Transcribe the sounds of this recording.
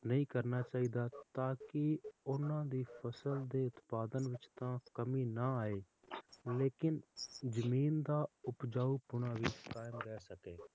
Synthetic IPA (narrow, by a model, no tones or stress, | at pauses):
nəɦĩːkəɾnaːt͡ʃaːiːd̪aːt̪aːkɪʊnãːd̪iːpʰəsəld̪eːʊt̪paːd̪ənʋɪt͡ʃt̪ãːkəmiːnaːaːeː | leːkɪnzəmiːnd̪aːʊpd͡ʒaːuːpʊɽaːʋiːt͡ʃkaːɪmɾɛːsəkeː